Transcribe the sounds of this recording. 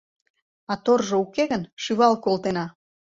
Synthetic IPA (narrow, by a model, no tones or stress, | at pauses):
ɑt̪orʒoukeɣənʃyβɑlkolt̪enɑ